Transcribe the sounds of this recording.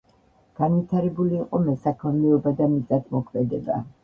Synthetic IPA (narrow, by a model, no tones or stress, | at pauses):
ɡ̥anvit̪ʰaɾɛbuliːqʼɔmɛsakʰɔnmɛɔbad̪amizʼat̪ʰmɔkʰmɛd̪ɛba̰